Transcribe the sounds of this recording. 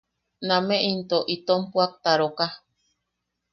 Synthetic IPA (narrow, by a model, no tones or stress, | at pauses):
namẽʔint̪oʔit̪ompuak̚t̪aɾoka